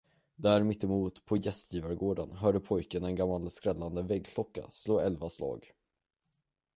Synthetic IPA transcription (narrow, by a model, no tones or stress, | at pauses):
d̪æɾmɪt̪ːɪmuːt̪pʰɔjɛst̪jiːvaɾɡoːɖənɦœːɖəpʰɔjkənɛnɡamːalskɾɛlːand̪əvɛɡkʰlɔkːa̰sloːɛlvaslɑ̰ːɡ